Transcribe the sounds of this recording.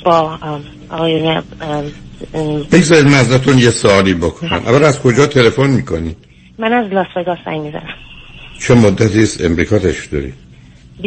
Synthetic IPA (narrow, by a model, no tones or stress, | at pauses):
b̥ɒ | ɒɣɒːjunɛ | beɡzɒːɾid̪mæzɾæt̪ʰunjesoɒːliːbokʰonæ̰mʔæ̰væɾæzkʰo̞d͡ʒɒːt̪ʰe̞lefonmiːkʰoni̥ | mænæzlɒsveɡɒːssæ̰ŋmizæ̰næmt͡ʃʰemod̪ːæt̪ʰiːst̪ḛmɾiːkʰɒt̪ʰeʃd̪ɒ̰ɾḭː | b